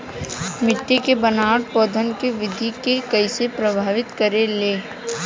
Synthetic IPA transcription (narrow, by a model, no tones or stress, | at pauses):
mɪʈːekebɐnaːɽpɔːd̪ʱənkeʋɪd̪ʱikekɐisepɾɐbʱaːʋɪt̪kɐɾeleː